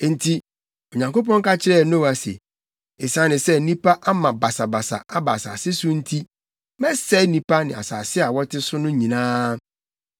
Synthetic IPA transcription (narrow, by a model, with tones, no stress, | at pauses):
n̩˨tʰi˦ | o˨ɲã˨ŋko˦p̬ɔ̃˦ŋ˦ka˦t͡ɕʰɪ˦ɾɛ˦˨˦nõ˦˨a˨sḛ˨ | e˨sã˨˦nɪ̃˨sɛ˦nĩ˦pa˦ʔa˦mã˨ba˨sa˨ba˨sa̰˨a˦ba˨sa̰ː˨sɪ˦sʊ̃˦n̩˦tʰi˦ | mɛ̃˦sɛ˦nĩ˦pʰa˦nɪ̃˨a̰˨saː˨sɪ˦a˨wɔ˦tʰɪ˦sʊ˦nʊ̃˦ɲĩ˨nãː˦